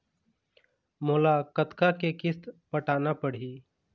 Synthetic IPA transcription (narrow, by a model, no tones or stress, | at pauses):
moːlakət̪kakekɪst̪pəʈaːnapəɽ̤iː